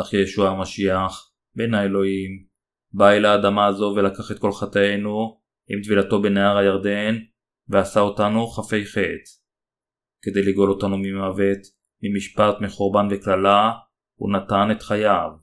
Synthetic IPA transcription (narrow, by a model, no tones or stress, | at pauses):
aχjejeʃuamaʃiaχ | be̞naelo̞im | baelaːd̪amaːzo̞ve̞lakaχe̞t̪̚ko̞lχat̪ajenu | imt̪vilato̞be̞neaʁajaʁd̪e̞n | veasao̞tanuχafe̞jχe̞t | ke̞d̪e̞jliɡo̞lo̞tanumimavet | mimiʃpatmiχoʁbanveklala | ṵnat̪ane̞t̪χajav